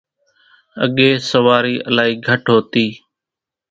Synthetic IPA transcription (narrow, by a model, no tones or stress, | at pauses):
ə̰ɠeːsəʋaːɾiːʔə̰laːiːɡʱəʈɦoːt̪iː